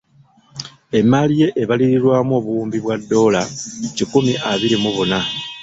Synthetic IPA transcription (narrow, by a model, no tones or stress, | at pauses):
e̞mːalije̞ʔeβaliɾiɾwaːmuo̞ːβuuːmbiβwadːo̞ːlacikumiʔaβiɾimuβuna